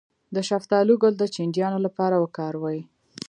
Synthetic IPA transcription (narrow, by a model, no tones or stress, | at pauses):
d̪əʃaft̪ɑluɡold̪ət͡ʃɪɳdjɑnolapɑɾawəkɑɾwɑji